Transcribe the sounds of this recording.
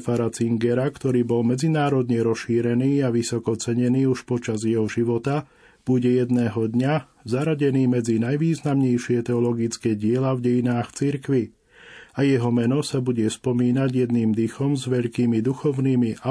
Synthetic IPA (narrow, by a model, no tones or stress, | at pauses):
faɾat͡siŋɡɛɾakt̪ɔɾiːbɔlmɛd͡zinaːɾɔd̪ɲɛɾɔsʃiːɾɛniːaʋisɔkɔt͡sɛɲɛniːuʃpɔt͡ʃazjɛɦɔʒiʋɔt̪a | b̥uɟɛjɛd̪nɛːɦɔd̪ɲa | zaɾaɟɛniːmɛd͡zinajʋiːznamɲɛjʃɪɛt̪ɛɔlɔɡit͡skɛːɟɪɛlavɟɛjinaːxt͡siɾkʋi | ajɛɦɔmɛnɔsabuɟɛspɔmiːnaɟjɛd̪niːmd̪ixɔmzʋɛʎkiːmid̪uxɔʊniːmiʔa